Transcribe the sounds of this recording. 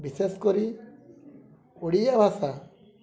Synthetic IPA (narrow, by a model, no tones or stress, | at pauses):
biseskɔɾi | oɽijabʱasa